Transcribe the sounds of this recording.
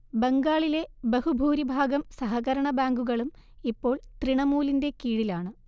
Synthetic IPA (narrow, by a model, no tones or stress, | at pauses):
be̞ŋɡaːɭile̞behubʱuːɾibʱaːɡɐmsɐɦɐɣɐɾɐɳɐbaːŋɡuɣɐɭumipːo̞ːɭt̪riɳɐmuːlinde̞kiːɻilaːɳɨ